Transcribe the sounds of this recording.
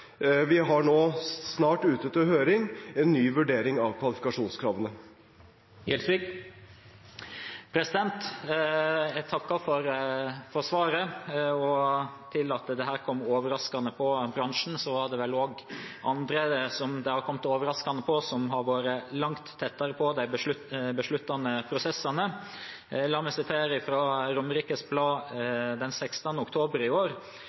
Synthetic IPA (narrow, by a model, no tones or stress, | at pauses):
ʋɪɦɑɳoːsnɑːʈʉːt̪ət̪ʰɪlhøːɾɪŋɛnːyːʋʉɖeːɾɪŋɑʋkʰʋɑlɪfɪkɑʂuːnskʰɾɑːʋənə | jɛlsʋɪk | pʰɾɛsɪd̪ɛnt̪ | jæt̪ʰɑkːɑfɔɾfɔɾsʋɑːɾəɔt̪ʰɪlɑt̪d̪ɛɦæːɾkʰɔmːoːʋəɾɑskɑnəpʰɔbɾɑŋʂn̩sɔʋɑɾɖ̪ɛʋɛloːɡʔɑnd̪ɾəsɔmd̪ɛhɑɾkʰɔmt̪oːʋəɾɑskɑnəpʰɔsɔmɦɑɾʋoːɾəlɑŋt̪ʰːɛt̪ːɑɾəpʰɔd̪æɪbəʂʉbəʂɭʉt̪ːɑnəpʰɾʊsɛsɑnə | lɑːmɛsɪt̪ʰeːɾəɪfɾɑːɾʊmːəɾiːkəsblɑːd̪ɛnsɛkst̪ɑnəʊkt̪ʰoːbəɾɪoːɾ